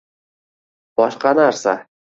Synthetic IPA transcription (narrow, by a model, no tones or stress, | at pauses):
b̥ɒʃqɑnaɾsa̰